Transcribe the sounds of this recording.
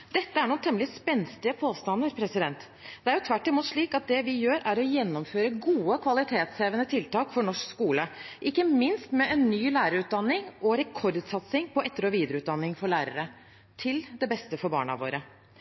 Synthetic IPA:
d̪̥ɛt̪ːəæɳuːnt̪ʰɛməlɪspɛnst̪ɪəpʰoːst̪ɑnəɾpʰɾɛsɪd̪ɛnt̪ | d̪ɛæɾjʊt̪ʰʋæʈːɪmuːt̪ʂɭiːkɑt̪̚d̪ɛʋɪjøːɾæɾɔjɛnːɔmføːɾəɡuːəkʰʋɑlɪt̪ʰeːt̪sheːʋənət̪ʰɪlt̪ɑːkfɔɳɔʂkskuːləʔɪkːəmɪnst̪mɛʔɛnːyːlæːɾəɾʉːt̪̚d̪ɑnːɪŋʔɔɾɛkʰɔɾd̪sɑt̪sɪŋpʰɔʔɛt̪ːəɾɔʋiːd̪əɾəʉːt̪̚d̪ɑnːɪŋfɔɭæːɾə̰ɾə | t̪ʰɪld̪ɛbɛst̪əfɔɾbɑ̰ːɳɑ̰ʋo̰ːɾə

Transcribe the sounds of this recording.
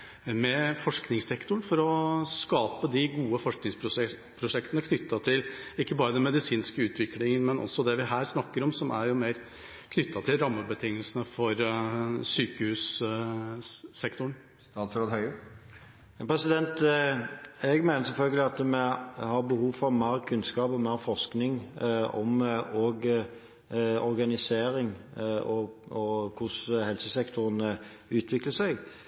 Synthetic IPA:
mɛfɔʂknɪŋsɛkt̪ʊɳfɔɾɔskɑːpəd̪ɪɡuːəfɔʂknɪŋs | pʰɾʊʂɛkt̪ənəkʰnʏt̪ːɑt̪ʰɪlɪkːəbɑːɾəd̪ɛnmɛd̪ɪsiːnskəʉːt̪ʰʋɪklɪŋənmɛnʔɔ̰sːɔd̪ɛʋɪɦæːɾsnɑkːəɾɔmsɔmʔæ̰ɾjʊmeɪɾ | kʰnʏt̪ʰːɑt̪ʰɪlɾɑmːəbət̪ʰɪŋːəlsənəfɔɾsyːkəhʉːs | ɛkt̪ʊɳ | t̪ɑːt̪sɾoːd̪hœʏə | pʰɾɛsɪd̪ɛnt̪ | ɛɡmæɪnəɾsɛlfœlɡəlɪɑt̪mɛhɑɾbəhuːfɔʋmæːɾkʰʉnskɑːpɔmæːɾfɔʂknɪŋɔ̰mɔɡ | ɔɾɡɑnɪseːɾɪŋʔɔɔkʰʊshɛlsəsɛkt̪ʰʊɾənə | ʉːt̪ʰʋɪkləsæɪɡ

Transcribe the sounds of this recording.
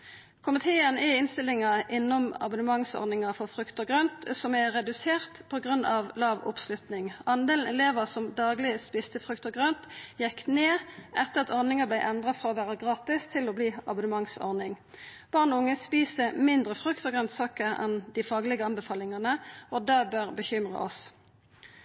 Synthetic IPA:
kʰʊmɪt̪ʰeːənɪɪnst̪ɪlɪŋɑʔɪnːɔmɑ̰bʊnəmɑŋsɔ̰ʁnɪŋɑfɔfʁʉkt̪ɔɡʁønt̪sɔmæʁɛd̪ʉseːʁt̪pʰɔɡʁʉnːʔɑʋlɑːʋʊ̰pslʉt̪nɪŋɑnd̪eːln̩ɛ̰leːʋəʁsɔmd̪ɑːɡlɪəspɪst̪əfʁʉkt̪ɔɡʁønt̪jɛkːneːʔɛt̪ːəʁɑt̪ɔʁnɪŋɑblæɪʔɛnd̪ʁɑfʁɑːɔʋæːʁəɡʁɑːt̪ɪst̪ʰɪlɔbliːɑ̰bʊnəmɑŋsɔ̰ʁnɪŋ | b̥ɑːʁnɔʊŋːəspiːsəmɪnd̪ʁəfʁʉkt̪ɔɡʁœnt̪sɑːkəʁɛ̰nd̪ɪfɑːɡlɪɡəɑnbəfɑːlɪŋɑnəɔd̪ɑːbœʁbəçʏmʁɑ̰ɔ̰s

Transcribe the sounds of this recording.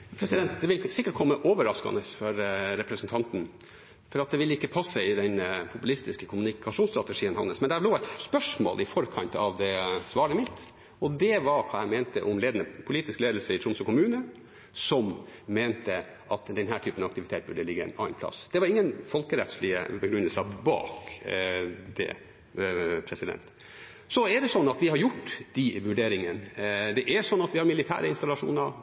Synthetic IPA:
pʰɾɛsɪd̪ɛnt̪̚d̪ɛʋɪlsɪkːəʈ̚kʰɔmːəʔoːʋəɾɑskɑ̰nəsfɔɾɾɛpɾəsənt̪ʰɑnt̪n | fɔɾɑt̪̚d̪ɛʋɪlːəɪkːəpʰɑsɛɪɪd̪ɛnpʰʊpʉlɪst̪ɪskəkʰʊmʉnɪkʰɑʂuːnst̪ɾɑt̪əʂiːənhɑ̰nːəsmɛnd̪æbloːæɪt̪spœʂmo̰ːlʔɪfɔɾkʰɑnt̪ɑ̰ʋd̪ɛsʋɑːɾəmɪt̪ː | ɔd̪ɛʋɑɾkʰɑːjæmeːnt̪əʔɔmleːd̪ənəpʰʊliːt̪ɪskleːd̪l̩səɪt̪ɾʊmsɔkʊmʉːnə | sɔmmeːnt̪ə | ʔɑt̪d̪ɛnɦæːʈʰyːpənɑɑkt̪ɪʋɪt̪ʰeːt̪̚bʉɖəlɪɡːəɛ̰ɪnɑ̰ɪnpʰlɑ̰sd̪ɛʋɑɾɪŋːənfɔlkəɾɛt̪slɪə̰bəɡɾʉnːəsɑbɑ̰ːk | d̪̥ɛ̰ | pʰɾɛsɪd̪ɛ̰nt̪ | sɔɛɖɛsɔnːɑt̪ʋɪhɑɾjʊʈːd̪̥ɪʋʉɖeːɾɪŋənd̪ɛʔæsɔnːɑt̪ʋɪhɑɾmɪlɪt̪ʰæ̰ːɾəɪnst̪ɑlɑʂṵːnə

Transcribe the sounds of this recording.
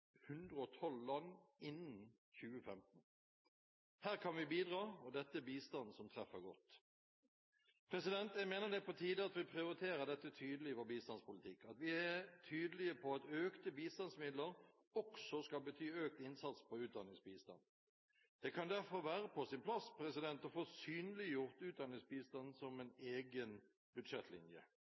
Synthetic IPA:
hʉnd̪ɾəɔt̪ʰɔllɑnːɪnːn | çʉːəfɛmt̪n | hæːʁkʰɑnʋɪbiːd̪ʁɑːɔd̪ɛt̪ːəbiːst̪ɑnəsɔmt̪ʰʁɛfːəɡɔt̪ː | pʰɾɛsɪd̪ɛnt̪jæɪmeːnəd̪ɛpɔt̪ʰiːd̪əɑt̪ʋɪpʰʁɪʊɾɪt̪ʰeːɾəd̪ɛt̪ːət̪ʰyːd̪əlɪʋoːɾbiːst̪ɑnspʊlɪt̪ʰɪkːɑt̪ʋɪɛt̪ʰyːd̪əlɪəpʰɔɑt̪øːkt̪əbiːst̪ɑnsmɪd̪ləɾ | ɔksɔskɑlbət̪ʰyːøːk̚t̪ɪnsɑt̪spʰɔʉːt̪̚d̪ɑnɪŋsbiːst̪ɑ̰n | d̪̥ɛkʰɑnd̪æfɔɾʋæːɾəpʰɔsɪnpʰlɑspʰɾɛsɪd̪ɛnt̪ɔfoːsyːnəlɪjʊʁt̪ʉːt̪̚d̪ɑnɪŋsbiːst̪ɑnsɔmɛneːɡən | bʉd̪ʂɛt̪ʰːlɪ̰njə̰

